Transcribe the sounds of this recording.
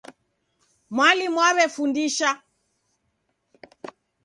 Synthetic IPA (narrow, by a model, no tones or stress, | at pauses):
mwalimwaβɛfundiʃa